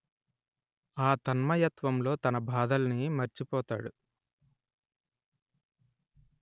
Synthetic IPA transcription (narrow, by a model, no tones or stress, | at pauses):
aːt̪ɐnmɐjɐt̪ʋɐmlo̞ːt̪ɐnɐbʱaːd̪ɐlɐnimɐɾt͡ʃipɔːt̪aːɽu